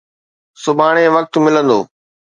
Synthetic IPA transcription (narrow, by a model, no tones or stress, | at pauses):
sʊbʱaːɽ̃eʋək̚t̪mɪlə̃nd̪oː